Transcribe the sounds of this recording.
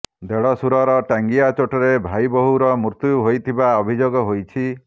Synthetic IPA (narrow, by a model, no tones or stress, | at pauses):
d̪eɭɔsuɾɔɾɔʈaŋɡiat͡ʃoʈɔɾebʱajbɔɦuɾɔmuɾt̪uuɦojt̪ʰibaɔbʱid͡ʒoɡɔɦojt͡ʃʰi